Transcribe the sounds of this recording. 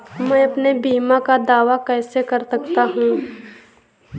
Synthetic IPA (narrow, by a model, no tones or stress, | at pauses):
mɛ̃ːɐpnebiːmãkad̪aːʋakɛːsekɐɾsɐkt̪aɦũː